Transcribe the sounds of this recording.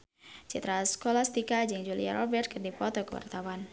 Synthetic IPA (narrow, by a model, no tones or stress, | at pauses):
t͡ʃit̪ɾaskolast̪ikad͡ʒɨŋd͡ʒulḭa̰ɾɔbɛrt̪̚kɨrdipɔt̪ɔkəwa̰rt̪awan